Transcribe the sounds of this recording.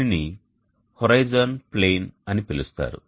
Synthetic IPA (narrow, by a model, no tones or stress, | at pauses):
ni | hoɾɐjd͡ʒɐnple̞ːnɐnipelust̪a̰ːɾṵ